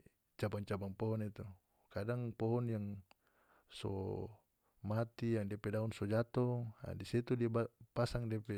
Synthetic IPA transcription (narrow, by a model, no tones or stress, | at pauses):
t͡ʃabaŋt͡ʃabaŋpɔɦɔnit̪u | kadaŋpɔɦɔnjaŋ | sɔ̰ | mat̪ijaŋdiapɛdaunsɔd͡ʒat̪ɔa̰disit̪udiaapasaŋdiapɛ